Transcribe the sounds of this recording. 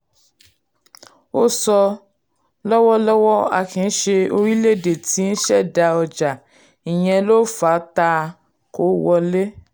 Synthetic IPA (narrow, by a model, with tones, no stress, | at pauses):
o˦sɔ˧ | lɔ˦wɔ˦lɔ˦wɔ˦a̰˨kĩ˨n̩˦ʃe˧o˧ɾi˦le˦˨de˨ti˨˦n̩˦ʃɛ˦˨da˧ɔ˧d͡ʒa˨ | ĩ˨j̃ɛ̃˧lo˦fa˨˦ta˧ | ko˨˦wɔ˧le˦